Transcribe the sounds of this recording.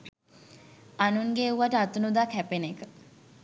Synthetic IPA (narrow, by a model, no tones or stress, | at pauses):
anuŋɡeuʋaʈəat̪unud̪aːkʰɛpenekə